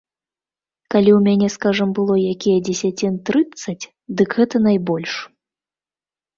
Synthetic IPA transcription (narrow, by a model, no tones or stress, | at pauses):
kalʲiwmʲanʲɛskaʐɐmbɨlˠɔjakʲijɛd͡zʲɛsʲat͡sʲint̪ɾɨt̪sːɐt͡sʲ | d̪ɨɡɣɛt̪ɐnajbɔlʲʂ